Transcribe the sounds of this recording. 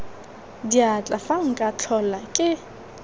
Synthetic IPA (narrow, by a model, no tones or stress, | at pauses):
diat͡ɬʼafaŋ̩kʼat͡ɬʰɔlakʼɪ